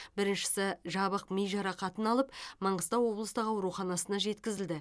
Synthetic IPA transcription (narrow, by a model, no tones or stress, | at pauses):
bɪɾɪnʃɪ̥sɪʒɑβəqmijʒɑɾɑqɑt̪ənɑlˠəpmɑɴʁəst̪ɑwwo̞blˠəst̪əqɑwɾuχɑnɑsənɑʒe̞t̪kʲɪzɪld̪ɪ